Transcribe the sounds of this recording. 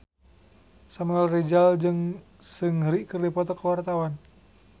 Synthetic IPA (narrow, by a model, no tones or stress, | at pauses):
samualrid͡ʒald͡ʒɨŋ | sɨŋɾiʔkɨrdipɔt̪ɔkawart̪awan